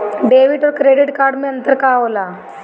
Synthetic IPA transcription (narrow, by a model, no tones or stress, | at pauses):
ɖeʋiʈɔkɾeɽiʈkaɾɖmiənt̪əɾkala